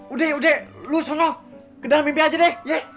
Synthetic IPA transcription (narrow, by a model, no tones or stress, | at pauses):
udɛhudɛhlusɔnɔ | kədalamimbiad͡ʒədɛhje